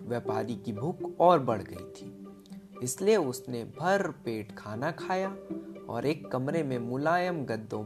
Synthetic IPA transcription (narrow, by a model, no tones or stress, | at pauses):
ʋjɛpaːɾikibʱʊːkɔːɾbɐɽ̤ɡɐḭt̪ʰiː | ɪslieʊsnebʱɐɾpeːʈkʰaːnakʰaːjaɔ̰ːɾeːkːɐmɾemẽmʊlaːjəmɡɐd̪ːõ